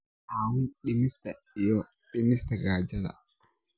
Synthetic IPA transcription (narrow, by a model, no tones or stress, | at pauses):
haːwunɗimista | jɔ | ɗimistaɡaːd͡ʒala̰